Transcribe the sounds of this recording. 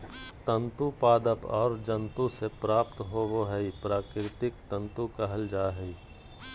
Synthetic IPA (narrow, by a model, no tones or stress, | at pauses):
t̪ə̃nt̪upaːd̪əpɔːɾd͡ʒə̃nt̪ũsepɾaːpt̪ɦoʋoɦɛipɾaːkɾɪt̪ɪkt̪ə̃nt̪ukəɦəld͡ʒaːɦɛi